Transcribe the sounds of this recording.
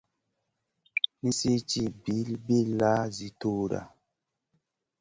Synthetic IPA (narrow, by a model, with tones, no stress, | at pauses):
ni˦si˦t͡ʃi˦bi˨˦lbi˦la˦zi˨˦to˦ɾa̰˨